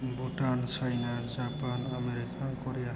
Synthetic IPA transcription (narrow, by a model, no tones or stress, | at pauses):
buʈansajnad͡ʒapanameɾikakɔɾeja